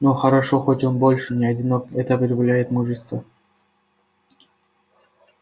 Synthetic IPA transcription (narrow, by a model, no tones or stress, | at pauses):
noxəɾɐʂo̞xotʲonbo̞lʲʂɨnʲɪɐdʲɪno̞kɛt̪əɐpɾʲɪvlʲæjɪt̪muʐɨst̪və